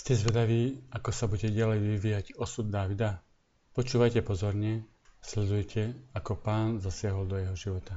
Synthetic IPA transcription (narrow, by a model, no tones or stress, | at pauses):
scɛzʋɛd̪aʋiːakɔsabuɟɛɟalɛjʋiʋiːjaɟɔsud̪̚ːaːʋid̪a | pɔt͡ʃuːʋajcɛpɔzɔɾɲɛ | slɛd̪ujcʰɛakɔpaːnzasɪaɦɔld̪ɔjɛɦɔʒiʋɔt̪a